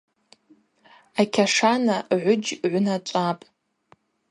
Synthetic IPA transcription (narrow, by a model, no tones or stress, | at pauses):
akʲʰaʂanaʕʷʊd͡ʒʕʷʊnat͡ʃʷʼapʼ